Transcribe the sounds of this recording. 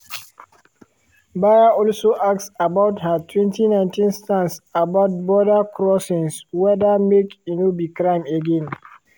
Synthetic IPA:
bajaɔlsoʔaksabaʊthatʰwɛ̃ntinãɪ̃ntĩnstãnsabaʊt̚bɔdakʰɾɔsɪ̃nswɛdamekinobikɾãɪ̃meɡɛ̃n

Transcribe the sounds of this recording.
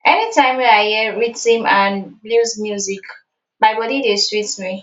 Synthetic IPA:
ʔɛnitʰãɪ̃mwɛahɛɹitĩmãnbluzmjuzik | baɪbɔdideswitmi

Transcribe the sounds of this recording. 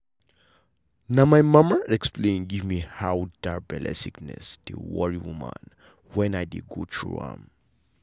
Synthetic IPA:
namajmamə˞ɛksplẽnɡivmihawdaɹbɛlɛ̰siknɛ̰sd̥ḛwɔɹiwumə̰̃n | wɛ̃najdeɡotʰɹṵã̰m

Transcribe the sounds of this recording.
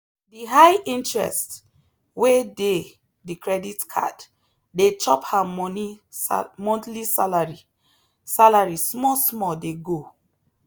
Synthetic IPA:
diɦajĩntɹɛ̰st | wede | dikɹɛditkʰa̰d | det͡ʃɔphamɔni | mɔ̃ntlisalaɹi | salaɹismɔsmɔdeɡo

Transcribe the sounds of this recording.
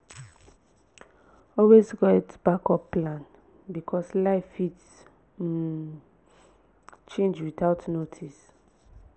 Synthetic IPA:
ɔlwesɡɔɛtb̥akɔpːlãn | bikʰɔslaɪfit | t͡ʃẽnd͡ʒwitaʊtnotʰis

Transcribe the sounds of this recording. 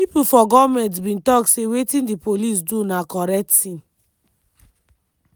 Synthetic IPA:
pipufɔɡɔvmɛ̃nt̬bĩntɔksewetĩndipolis̬dunakɔɹɛk̚ttĩn

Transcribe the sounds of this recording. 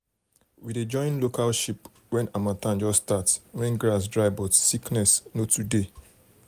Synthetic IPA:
wided͡ʒɔ̃ɪ̃nlokalʃip | wɛ̃namatãnd͡ʒɔsːtatswɛ̃nɡɹas̬dɹaɪbɔtsiknɛsnotʰude

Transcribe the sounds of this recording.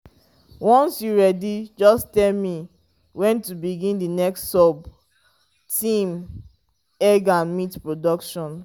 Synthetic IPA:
wɔ̃nsjuɹɛdid͡ʒɔstɛlmi | wɛ̃ntubiɡĩndinɛksːɔb | tĩm | ɛɡãnmitpɹodɔkʃɔ̃n

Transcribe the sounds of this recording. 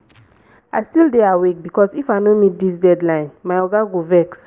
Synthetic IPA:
ʔajstildeawek̚bikɔsifajnomit̚d̪isdɛdlãɪ̃nmajɔɡaɡovɛks

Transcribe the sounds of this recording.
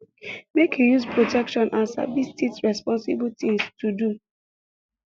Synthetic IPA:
mekhijuspɹotɛkʃɔ̃nʔãnsa̰vistitɹɛspɔ̃nsḭbltĩŋstʰudu

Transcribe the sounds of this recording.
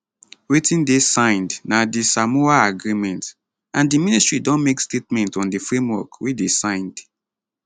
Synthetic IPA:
wetĩndesãɪ̃ndnadisamoaaɡɹimɛ̃nt | ãndiministɹidɔ̃nmekstetmɛ̃ntɔ̃ndifɹẽmwɔkwedesãɪ̃nd̥

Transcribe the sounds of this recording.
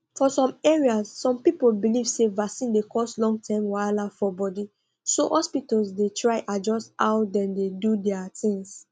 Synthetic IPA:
fɔsɔ̃mɛɹiasːɔ̃mpipolbilivsevaksĩndekʰɔstlɔ̃ŋɡ̚tʰãɪ̃mwalafɔbɔdi | sohɔspitalsdetʰɹaɪʔad͡ʒɔsta̰ʊdɛ̃ndedudɛatĩŋs

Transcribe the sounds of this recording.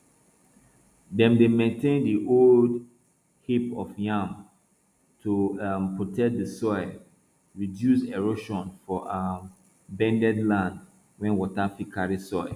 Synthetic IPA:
dɛ̃mdemɛ̃ntʰẽndiʔold | hipɔfjãm | tʰumpʰɹotʰɛk̚dəsɔɪ | ɹidjuseɹoʃɔ̃nfɔʔa | bɛ̃ndɛdlãnd | wɛ̃nwɔtafikʰaɹisɔɪ

